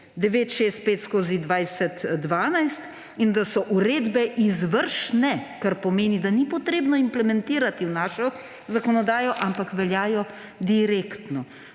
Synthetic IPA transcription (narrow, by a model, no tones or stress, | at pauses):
d̪ɛʋeːt̪ʃest̪̚peːt̪skoːzid̪ʋajsɛt̪ːʋaːnajst̪ | ind̪asɔʔuɾeːd̪bɛʔizʋəɾʃnɛkaɾpɔmeːnid̪anipɔt̪ɾeːbnɔimplɛmɛnt̪iːɾat̪iwnaːʃɔ | zakɔnɔd̪aːjɔʔampakʋɛljaːjɔ | d̪iɾekt̪nɔ